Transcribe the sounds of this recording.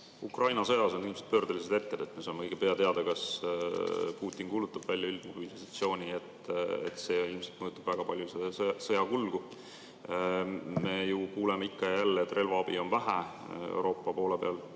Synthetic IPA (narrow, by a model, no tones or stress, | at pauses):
ukrɑjnɑsɤjɑso̞nilmset̪̚pø̞ːrd̪̥elis̬ed̪e̞t̪ːed̪̥e̞t̪ːmesomkɤjɡ̥epe̞ɑt̪e̞ɑd̪̥ɑkɑs | puːt̪ːˑinkuːlut̪ːˑɑb̥vælʲjuilmuɾisisɑt̪sio̞ːnʲiet̪ḛt̪se̞ːilmset̪mɤjut̪ːˑub̥væɡ̥ɑpɑlʲjusesɤjɑkulɡ̥u | me̞jukuːlemeikːɑjælːeet̪ːˑrʔe̞lvɑɑb̥io̞nvæɦæ | ḛwɾʔo̞ːpːˑɑpo̞ːlepe̞ɑl